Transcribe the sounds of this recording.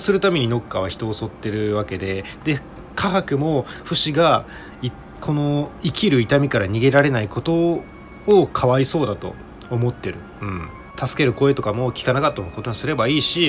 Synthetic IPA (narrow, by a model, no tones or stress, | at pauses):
sɨɾɯ̟t̪ame̞ɲ̟ino̞kːaβ̞açi̥t̪o̞ːso̞t̪ːe̞ɾɯ̟βake̞d̪e̞ | d̪̥e̞ | kʰaɦakɯ̟mo̞ɸɯ̟ɕiɡa | i | kʰo̞no̞ikʲiɾɯ̟it̪amʲikaɾaɲ̟iɡe̞ɾaɾe̞naiko̞t̪o̞ː | kʰaβaiso̞ːd̪at̪o̞̰ː | mo̞t̪ːe̞ɾɯ̟ | ɯ̟̃ɴ | t̪asɨ̥ke̞ɾɯ̟ko̞e̞t̪o̞kamo̞kʲi̥kanakat̪ːomokot̪o̞ɲisɨɾe̞baiːɕi